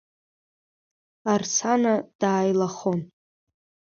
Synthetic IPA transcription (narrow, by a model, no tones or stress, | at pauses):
art͡sʰanad̥aːjlaχon